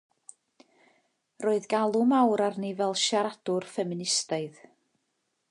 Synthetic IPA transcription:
roːɨðɡalˠʊmawɾarnivɛlˠʃaɾad̥ʊrfɛmɪnɪstaɨð

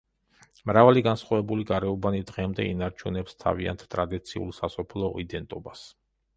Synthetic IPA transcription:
mɾavaliɡansχwavɛbuliɡaɾɛɔbanid̪ʁɛmd̪ɛinaɾt͡ʃʰunɛpst̪ʰa̰via̰nt̪ʰt̪ʼɾad̪it̪sʰiṵlˠsasɔpʰlˠɔ̰id̪ɛnt̪ʼɔbas

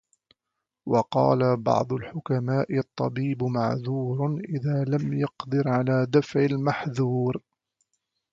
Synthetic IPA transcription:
wɑqɑ̰ːlabɑ̰ʕd̪ˤʊlħʊkamaːʔɪt̪ˤːɑ̰biːbmaʕðuːɾʔɪðaːlamjɑqd̪ɨɾʕalaːd̪afʕɪlmaħðuːɾ

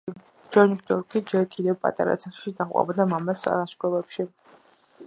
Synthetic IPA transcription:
d͡ʒɛnikt̪ʼɔɾkʰʼid͡ʒɛɾkʼid̪ɛvpʼa̰t̪ʼa̰ɾa̰t͡sʰaχʃid̪aχʼa̰bɔd̪amamasa̰aʃkʰʷʼɛlɛpʃi

